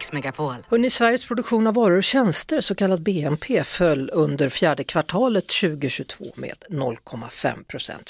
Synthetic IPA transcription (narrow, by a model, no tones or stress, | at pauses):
ksmɛɡafolhœɳɪsvæɾjəspʰɾʊd̪ɵkɧuːnavːɑːɾəɾɕɛnst̪əɾsɔkʰalːat̪̚beːɛmpʰeːfœlːɵnd̪əɾfjæːɖəkʰvaʈʰɑːlət̪ɕʉ̟ːɡʊɕɵt̪ʰvo̰ːmḛːd̪nɔlːkʰɔmːa̰fɛ̰mpʰɾʊsɛ̰nt̪